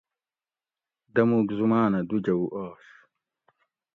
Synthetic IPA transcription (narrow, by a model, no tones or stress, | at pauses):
d̪ɐmuɡzumaːnɐd̪ud͡ʑɐwʔaːʂ